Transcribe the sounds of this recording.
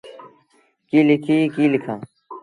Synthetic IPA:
kiːlɪkʰiːkiːlɪkʰãː

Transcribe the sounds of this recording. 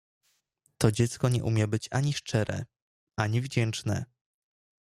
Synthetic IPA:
t̪ɔd͡ʑɛt̪skɔɲɛ̰ʔumʲjɛbɘt͡ɕaɲiʂt͡ʂɛɾɛ̰ | ʔaɲivd͡ʑɛnt͡ʂnɛ̰

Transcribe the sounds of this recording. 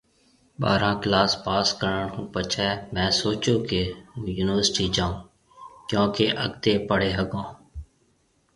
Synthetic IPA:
ba̰ːɾãːklaːspaːskəɾəɳũːpət͡ʃʰɛːmɛ̃ːsoːt͡ʃoːkẽjuːnɪʋəɾsʈiːd͡ʒãːõː | kjõːkeʔə̰ɡt̪eːpəɽeːɦəɡõː

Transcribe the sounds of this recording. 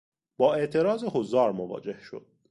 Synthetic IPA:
b̥ɒːe̞ʔt̪ʰe̞ɾɒːzeɦozɒːɾmovɒ̰ːd͡ʒe̞hʃo̞̰d̪̥̚

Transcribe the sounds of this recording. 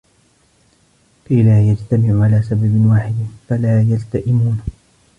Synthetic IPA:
faɪlaːjad͡ʒt̪amɪʕʊʕalaːsababɪnwaːħɪd̪falaːjalt̪aʔɪmuːn

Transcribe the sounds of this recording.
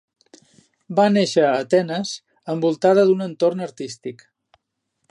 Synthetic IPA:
baneʃəːt̪ɛnəz | əmbulˠt̪aðəðunənt̪ornəɾt̪ist̪ik

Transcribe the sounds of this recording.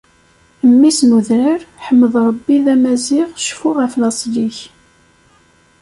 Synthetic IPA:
əmːisnuðnəɾħəmːəðˤɾˤɑbːiðæmæzɪʁʃfʊʁəflɑsˤliç

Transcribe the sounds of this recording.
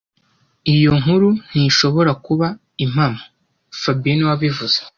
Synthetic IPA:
ijo̞ŋuɾun̥iʃo̞βo̞ɾakuβa | im̥hamo | fabiniwaβivuz̥e

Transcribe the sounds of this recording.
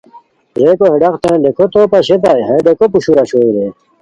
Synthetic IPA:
d͡ʑekoɦeɖɐqt̪ẽːɖekʰot̪opɐɕet̪̬ajɦeɖekopuɕuɾaɕoːd̪e

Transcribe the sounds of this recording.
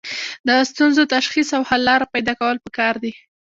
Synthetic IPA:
d̪əst̪unzot̪aʃxisawhalːɑɾapajd̪ɑkawəlpəkɑɾd̪i

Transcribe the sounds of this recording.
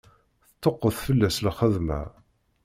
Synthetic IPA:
θət̪ːoqːəθfəlːæslχəðmæ̰

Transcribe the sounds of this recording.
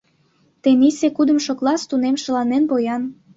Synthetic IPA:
t̪enisekud̪ə̆mʃoklˠɑst̪unemʃə̆lɑnenpojɑn

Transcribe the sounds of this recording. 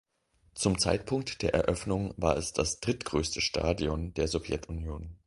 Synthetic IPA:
t͡sʊmt͡sa̰ɪtpʰʊŋk̚td̥eːɐʔɛ̰ɐʔœfnʊŋvaːɐɛsd̥asd̥ʁɪtɡ̥ʁøːstʰəʃtʰa̰ːdiɔnd̥eːɐzɔvjɛtʊnjoːn

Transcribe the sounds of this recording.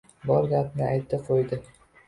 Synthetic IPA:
bɒɾɡʲapnɪajt̪ʰːɪqʰojd̪ɪ

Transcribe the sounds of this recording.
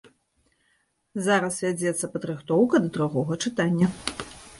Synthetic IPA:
zaɾɐsvʲad͡zʲɛt̪sːɐpɐd̪ɾɨxt̪ɔwkɐd̪ɐd̪ɾuɣɔɣɐt͡ʂɨt̪anʲːɐ

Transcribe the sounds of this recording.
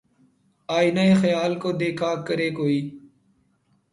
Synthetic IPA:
aːiːnaeːxəjaːlkoːd̪eːkʰaːkəɾeːkoːiː

